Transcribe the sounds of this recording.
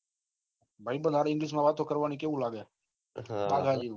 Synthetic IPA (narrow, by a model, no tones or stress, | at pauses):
bʱaibənd̪ʱaɾaɪ̃ŋɡliʃ̬mãʋaːt̪okəɾʋanikeʋũlaɡja | paɡʱad͡ʒi